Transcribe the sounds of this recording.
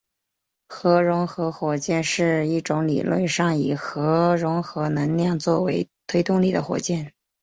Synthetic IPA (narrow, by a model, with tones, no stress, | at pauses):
xɤ˧˥ɻʊ˧˥ŋxɤ˧˥xwɔ˨˩t͡ɕjɛ˥˧nʂɻ̩˥˧i˥˩ʈ͡ʂʊ˧˥ŋlḭ˨˩lwə̰˥˧nʂɑ˥˩ŋi˨˩xɤ˧˥ɻʊ˧˥ŋxɤ˧˥nə˧˥ŋljɑ˥˧ŋt͡swɔ˥˩we˧˥ɪt̪ʰwe˥ɪt̪ʊ˥˧ŋli˥˩d̪ə˦xwɔ̰˨˩t͡ɕjɛ˥˩n